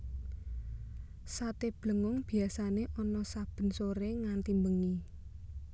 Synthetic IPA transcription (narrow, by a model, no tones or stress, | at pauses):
sat̪eb̥lə̤ŋʊŋb̥i̤asaneʔɔnɔsab̥ə̤nsoɾeŋant̪imbəŋi